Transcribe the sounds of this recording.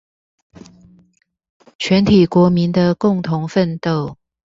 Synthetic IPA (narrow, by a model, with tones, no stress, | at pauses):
t͡ɕʰɥɛ˧˥nt̪ʰi˨˩kwɔ˧˥mi˧˦nd̪ə˧kʊ˥˩ŋt̪ʰʊ˧˦˥ŋfə˥˧nt̪o˥˨ʊ